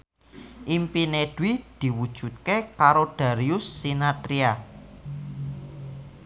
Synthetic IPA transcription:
ʔimpineɖ̥wid̪̥i̤wud̥ʒ̥ṳt̪̚kekaɾod̪̥a̤ɾiʊsːinat̪ɾia

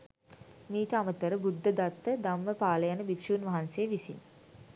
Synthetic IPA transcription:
miːʈəamət̪əɾəbud̪ːəd̪at̪ːəd̪amːəpaːləjanəbikʂuːnʋaɦansejəʋisḭn

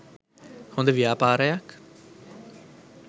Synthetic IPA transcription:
hõnd̪əʋiaːpaːɾəjak

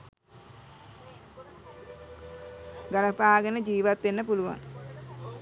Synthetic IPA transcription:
ɡaləpaːɡənəd͡ʒiːʋat̪ʋenːəpuluʋa̰ŋ

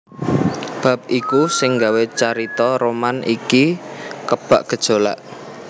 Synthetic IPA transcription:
b̥a̤p̚ikusɪŋɡawet͡ʃaɾit̪ɔɾomanḭkikəb̥a̰ʔɡ̥ə̤d̥ʒ̥o̤la̰ʔ

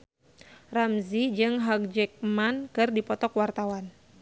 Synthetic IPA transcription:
ramzid͡ʒɨŋɦak̚d͡ʒɛk̚mankɨrdipɔt̪ɔkwart̪awan

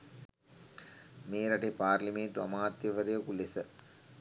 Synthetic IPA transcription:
meːɾɐʈepaːrlimeːnt̪uɐmaːt̪jɐʋɐɾijɐkulesə

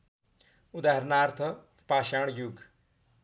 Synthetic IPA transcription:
ud̪aɦɐɾnaːɾt̪ʰə | paːʃaːɳ̃juɡ

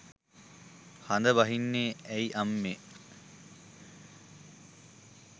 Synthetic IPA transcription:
hɐnd̪əbɐɦinːeːæiʔɐmːeː

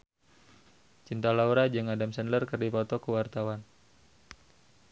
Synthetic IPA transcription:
t͡ʃint̪alauɾad͡ʒɨŋadamsɛnlərkərdifɔt̪ɔkəwart̪awan

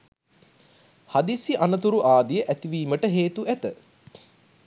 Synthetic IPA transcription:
had̪isiʔanət̪uɾuʔaːd̪ijəʔæt̪iʋiːməʈəɦeːt̪uʔæt̪ə

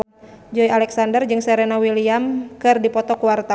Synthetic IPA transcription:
d͡ʒɔialɛksandərd͡ʒɨŋsɛɾɛnawiliamkɨrdipɔt̪ɔkuwart̪a

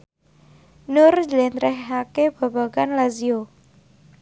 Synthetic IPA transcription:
nʊrd͡ʒlɛnɾɛhːakeb̥a̤baɡanlazio

